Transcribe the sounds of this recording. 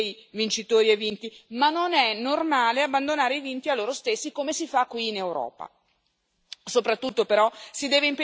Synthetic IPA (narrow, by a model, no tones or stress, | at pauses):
jvint͡ʃit̪oːɾievint̪imanːonɛnormaːleabːand̪onaːɾeivint̪ialːoːɾost̪esːikomesifakːwiːnewɾɔ̰ːpa̰ | sopɾat̪ːut̪ːopeɾɔsid̪ɛːveimpe